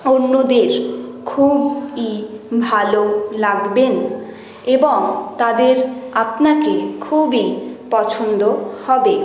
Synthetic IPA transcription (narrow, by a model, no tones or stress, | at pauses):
onːod̪eɾkʰubibʱalolaɡben | eboŋt̪ad̪eɾapnakekʰubipɔt͡ɕʰond̪ohɔbe